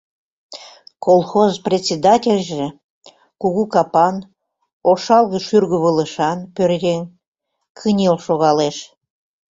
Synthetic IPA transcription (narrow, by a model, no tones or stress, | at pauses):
kolˠxozprʲet͡sʲed̪ɑtʲelʲʒĕ | kuɣukɑpɑn | oʃɑlˠɣə̆ʃyrɣəβələʃɑnpørɣʲenʲ | kʰənʲelʃoɣɑleʃ